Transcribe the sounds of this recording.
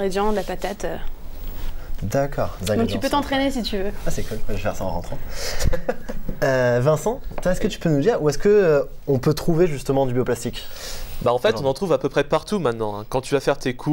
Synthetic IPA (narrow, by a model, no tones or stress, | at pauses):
ʁed̪jɑ̃d̪lapat̪at̪ø | d̪akʰɔ̰ːʁd̪ad̪ɔ̃k̚t̪ỹpøt̪ɑ̃t̪χenesit̪yvøwasɛkulkwaʒəvɛʁsaɑ̰̃ʁɑ̃t̪χɑ̃ | øvɛ̃sɑ̃t̪waɛskət̪y̥pønud̪iːʁuɛskə | ɔ̃pøt̪χuveʒyst̪əmɑ̃d̪ybjoplast̪ikbaɑ̃fɛt̪ɔ̃nɑ̃t̪χuvapøpχɛpaʁt̪umɛ̃t̪nɑ̃ɛ̰̃kɑ̃t̪yvafɛʁt̪ekʰu